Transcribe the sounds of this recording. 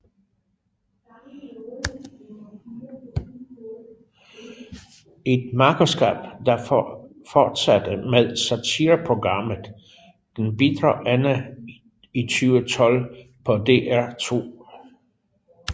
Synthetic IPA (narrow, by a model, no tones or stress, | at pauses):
e̝d̥mɑ̈kʰʁosɡ̥æ̰ːb̥d̥ɑ̈ | fɒːd̥sæd̥əmeð̞ˠsæt͡sʰiːɐpʰʁo̝ɡ̥ʁɑ̈m̰ð̩ˠ | d̥enb̥id̥ʁɑʔænə | it͡sʰyːʊət͡sʰɒ̽lpʰɒ̽d̥e̝̰ːæɐ̰t͡sʰo̝̰ː